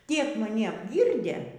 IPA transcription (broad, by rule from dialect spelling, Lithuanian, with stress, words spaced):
ˈtʲiɛk mɐˈnʲɪ ɐbʲˈɡʲiːrʲdʲeː